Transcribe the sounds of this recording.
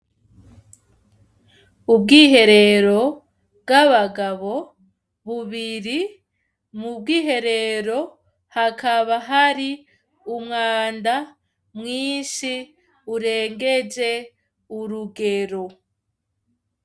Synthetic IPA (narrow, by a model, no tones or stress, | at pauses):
ubɡiːɦe̞ɾe̞ɾo̞ | bɡaβaɡaβo̞ | βuβiɾi | mubɡiːɦe̞ɾe̞ɾo̞ | hakʰaβaɦaɾi | umŋaːnda | mŋiːʃi | uɾe̞ːŋɡe̞d͡ʒe̞ | uɾuɡe̞ɾo̞